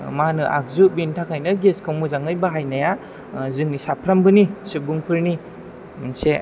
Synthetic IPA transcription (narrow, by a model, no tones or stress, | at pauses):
manɯʔa̰k̚zubintʰakhajnɯɡeskʰawmuzaŋɯjbaɦajnaja | zɯŋnisapʰɾambɯnisɯbuŋpʰɯɾni | mnse